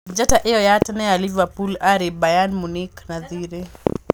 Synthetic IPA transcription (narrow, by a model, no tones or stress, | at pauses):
d͡ʒataʔɛɔjatanɛalivapulaɾibajanmuniknaðiɾɛ